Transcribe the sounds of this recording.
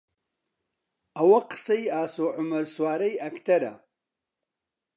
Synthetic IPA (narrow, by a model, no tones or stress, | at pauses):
ɐwɐqɨ̥sɐjaːsoːʕʊmɐɾswaːɾɐjɐkt̪ʰɐɾa̰